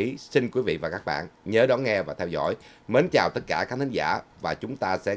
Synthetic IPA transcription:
i˨˦si˧nkwi˨˦vḭ˧˨vaː˨˩kaː˦˥k̚ɓa̰ː˧˨nɲəː˨˦ɗɔ˨˦nŋɛ˧vaː˨˩t̪ʰɛ˧wzɔ̰˧˥˨j | mə˨˦nt͡ɕaː˨˩wt̪ə˦˥t̚kaː˧˩kaː˦˥kt̪ʰï˨˦ŋza̰ː˧˩vaː˨˩t͡ɕʊ˨˦ŋ͡mt̪aː˧sɛ̰˧˥

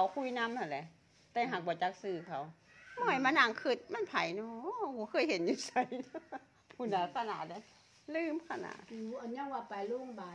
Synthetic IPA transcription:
kʰa˨˩wkʰu˧˥˨jna˧˨mt̪a˧˩lɛ˧˨ʔ | t̪ɛː˧ɦaː˨˩k̚bɔː˨˩˦t͡ɕa˧k̚sɯː˧˩kʰa˨˩˦w | mɔ˧˩˨jmaː˧˥˨na˧˩˨ŋkʰɯ˧˩t̪̚ma˧˥˨npʰa˨˩jnɔː˧buː˧˦kʰɤː˧˥˨jhe˨˦njuː˧˨sa˧˩jnɔ˧˦ | pʰuː˧˦na˨˧˦kʰa˧˨na̰˧˨t̪̚da˧˩j | lɯː˧˩˨mkʰa˧˩na̰ː˧˨uː˧˨ʔa˨ɲa˧˨ŋwaː˧˩pa˨jlo˧˥˨ŋbaː˨˧

